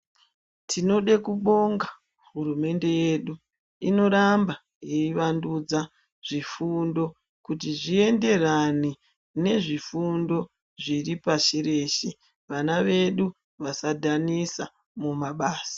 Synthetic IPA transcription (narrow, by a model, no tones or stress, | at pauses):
tʰino̞ɗekuɓo̞ŋɡa | ɦurume̞nde̞je̞ɗu | ino̞ɾamba | jeiʋandud͡za | ʐ̥ifundo̞ | kutiʐie̞nde̞rani | ne̞ʐifundo̞ | ʐiripaʃire̞ːʃe | ʋanaʋe̞ɗu | ʋasadʱanisa | mumaɓaːsḁ